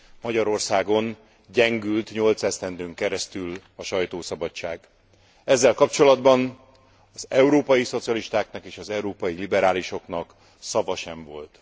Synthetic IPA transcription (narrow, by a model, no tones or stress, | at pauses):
mɒɟɒɾo̞rsaːɡo̞n | ɟɛŋɡylt̪ɲo̞lt̪sɛst̪ɛnd̪øːŋkɛɾɛst̪yl | ɒʃɒjt̪oːsɒbɒt͡ʃːaːɡ | ɛzːɛlkɒpt͡ʃo̞lɒd̪bɒn | ɒzɛuɾoːpɒjiso̞t̪sijɒliʃt̪aːknɒkeːʃɒzɛuɾoːpɒjilibɛɾaːliʃo̞knɒk | sɒvɒʃɛɱvo̞lt̪